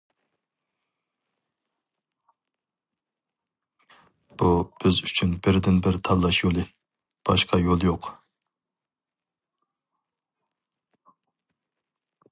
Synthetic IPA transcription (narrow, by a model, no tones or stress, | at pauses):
b̥ub̥ɪzyt͡ʃʰynbɪɾd̪ɪnbɪɾt̪ʰɑlˠːɑʃjolˠɨ | b̥ɑʃqʰɑjolˠjoq